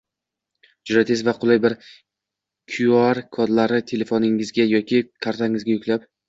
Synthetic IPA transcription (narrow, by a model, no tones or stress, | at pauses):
d͡ʒʊɾat̪ʰezvaqʰʊlˠɪjbɪɾ | kʲʰʊjɒɾkʰɒd̪laɾɪt̪ʰe̞le̞fonɪŋɪzɡʲajɒkʲʰɪkʰaɾt̪ʰaŋɪzɡʲajʊkʲlap̚